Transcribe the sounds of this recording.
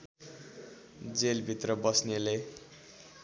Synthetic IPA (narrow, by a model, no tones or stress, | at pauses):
d͡zelbʱit̪rʌbʌsnele